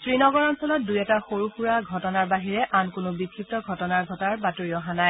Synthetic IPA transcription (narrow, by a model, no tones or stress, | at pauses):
tɹinɔɡɔɹɔnsɔlɔt̚dujɛtaxoɹuxuɹaɡʱɔtɔnaɹbaɦiɹɛʔankʊnʊbikʰːik̚tɔɡʱɔtɔnaɹɡʱɔtɔaɹbatoɹiɔɦanaj